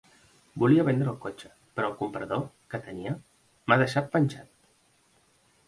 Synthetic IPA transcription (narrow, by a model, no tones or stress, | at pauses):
buliəβɛnd̪ɾəːlˠkot͡ʃə̥ | pəɾɔːlˠkumpɾəðo | kət̪əniə | maðəʃat̪̚pənʲsat̪̚